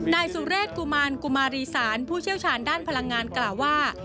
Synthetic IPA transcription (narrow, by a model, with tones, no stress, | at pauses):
naː˧jsu˨˩˦ɾeː˥˩t̪̚ku˧maː˧nku˧maː˧ɾiː˧saː˩˦npʰuː˥˩t͡ɕʰi˥˩əwt͡ɕʰaː˧ndaː˥˩npʰa˧la˧ŋːaː˧nklaː˨˩wːaː˥˩